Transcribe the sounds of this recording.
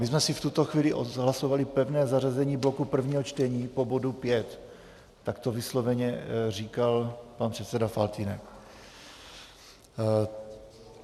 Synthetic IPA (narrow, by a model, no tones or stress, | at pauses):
mɪzmɛsɪft̪ut̪o̞xviːlɪʔo̰ɦlaso̞valɪpɛvnɛːzarazɛɲiːblo̞kupr̩vɲiːɦot͡ʃt̪ɛɲiːpo̞bo̞dupjɛt̪ː | akt̪ovɪslo̞vɛɲɛriːkalpanpr̥ɛt̪sɛdafalt̪inɛk